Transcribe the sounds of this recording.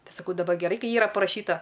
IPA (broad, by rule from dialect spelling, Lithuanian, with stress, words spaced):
ˈtɐɪ sɐˈkɐʊ dɐˈbɐr ɡʲɛˈrɐɪ ˈkɐɪ ˈiːrɐ pɐrɐˈʃʲiːtɐ